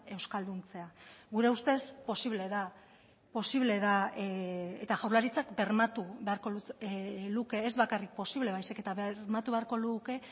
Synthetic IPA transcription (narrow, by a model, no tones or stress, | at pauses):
e̞wskald̪unt͡se̞aɡɣuɾe̞ust̪e̞spo̞siβle̞ða | po̞siβle̞ða | et̪aʝawɾlaɾit͡sakbe̞ɾmat̪uβe̞aɾko̞luluke̞ːzβakarik̚po̞siβle̞β̞ajsike̞t̪aβɾmat̪uβe̞aɾko̞luke̞